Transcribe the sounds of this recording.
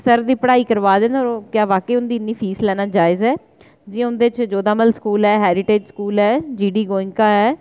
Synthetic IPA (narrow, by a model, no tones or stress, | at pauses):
səɾd̪iːpəɽaːiːkəɾʋaːd̪ẽːnɔɾkjaːʋaːkeːʊnd̪iːɪnːiːpʰiːslɛːnaːd͡ʒaːɪzɛː | d͡ʒɪːãʊnd̪eːt͡ʃd͡ʒoːd̪aːməlskuːlɦɛːɦɛːɾɪʈeːd͡ʒskuːlɦɛːd͡ʒiːɖiːɡoːɪ̃ŋkaːɦɛː